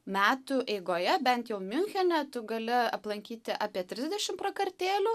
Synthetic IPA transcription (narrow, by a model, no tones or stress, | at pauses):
mʲæːt̪ʊʔɛɪɡoːjɛbʲɛnt̪jɛʊmʲʊŋʲxʲɛnʲɛt̪ʊɡɐlʲɪɐplˠɐŋʲkʲiːt̪ʲɪʔɑːpʲiɛt̪ʲɾʲɪzʲd̪ʲɛʃʲɪmprɐkɐrʲt̪ʲeːlʲʊː